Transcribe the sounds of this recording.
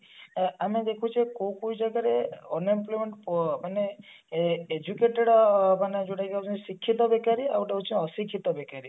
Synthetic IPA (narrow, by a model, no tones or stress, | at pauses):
amed̪ekʰũt͡ʃʰikowkoid͡ʒaɡaɾeɔnimplɔjmeɳʈpmane | ed͡ʒukeʈeɽmaned͡ʒoɽajɡaut͡ʃʰsikʰːit̪ɔbekaɾiawʈeut͡ʃʰiɔsikʰːit̪ɔbekaɾi